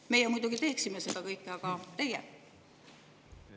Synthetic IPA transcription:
me̞jemujd̪uɡ̥it̪e̞ːksimese̞d̪̥ɑkɤjkːˑeɑɡ̥ɑt̪e̞jɛ

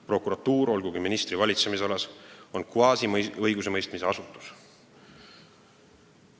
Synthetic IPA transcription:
pro̞kuɾɑt̪ːuːɾo̞lɡuɡiminist̪rivɑlʲit̪semis̬eo̞leso̞nkuɑːsiɤjɡuse̞mɤjst̪mise̞ɑsut̪ːˑu̥s

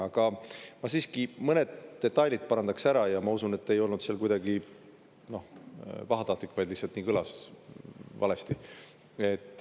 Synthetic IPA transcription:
ɑɡ̥ɑmɑsiːskimɤne̞d̪̥d̪̥e̞t̪ːˑɑjlʲid̪̥̚pɑɾɑnd̪ɑksæɾɑjɑmɑusune̞t̪ːe̞jo̞lnud̪seɑlkujd̪̥ɑɡi | no̞hvɑɦɑt̪ɑht̪likːvɑjd̪lihsɑlt̪niːkɯlɑs | vɑ̰le̞st̪i | e̞t̪ːˑ

